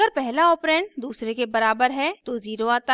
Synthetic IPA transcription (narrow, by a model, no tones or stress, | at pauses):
əɾpɛɦlaɔːpɾɛ̃ːɳʈ̚d̪uːsɾekebɐɾaːbəɾɦɛt̪oziːɾoaːt̪a